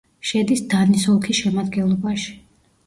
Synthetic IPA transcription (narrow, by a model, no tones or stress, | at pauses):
ʃɛd̪isd̪anisɔlˠkʰisʃɛmad̪ɡɛnlˠɔbaʃi̥